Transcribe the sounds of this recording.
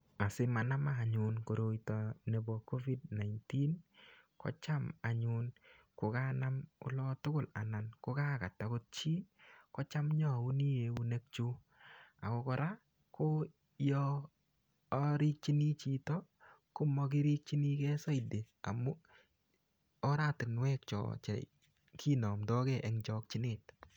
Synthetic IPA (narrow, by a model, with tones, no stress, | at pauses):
a˨sɪ˦ma˨na˦ma˨ɲʊ˨nko˨ɾo˨jtɔ˨ne˨bɔ˨ko˦vi˦dna˨jnti˦nkɔ̰˨˦t͡ʃa˦ma˨ɲʊ˨n | ko˨ka˦na˦mʊ̰˦lɔ˦tʊ˦kʊ˦˨la˨na˨nko˦ka˦ka˨ta˨ko˦t̚t͡ʃi˦kɔ˦t͡ʃa˦mɲɔ˦˨u˦ni˦je˨u˦ne˦k̚t͡ʃu˦ | a˨kɔ˧kɔ˧ɾa˦ | ko˦ | jɔ˦ | ɾi˦k̚t͡ʃi˦ni˦t͡ʃi˨tɔ˦ko˦mɔ˧ki˦ɾi˦k̚t͡ʃi˦ni˦kɛ˦sɔ˦i˨de˨ | a̰˨mu˦ | ɔ˦ɾa˦˨tɪ˨nwɛ˦k̚t͡ʃɔ̰˨t͡ʃɛ̰˨ | kʰi˦nɔ˨mdɔ˦kɛ˨ʔɛ˨ŋd͡ʒɔ˦k̚t͡ʃi˦nɪ˨t